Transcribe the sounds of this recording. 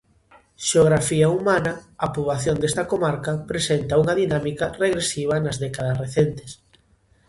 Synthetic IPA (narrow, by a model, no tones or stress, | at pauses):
ʃeoɣ̞ɾafiɐumanɐapuβlaθjond̪est̪ɐkomaɾkɐpɾesent̪ɐuŋɐðinamikɐreɣɾesiβ̞ɐnɐzðɛkaðɐsreθent̪e̥s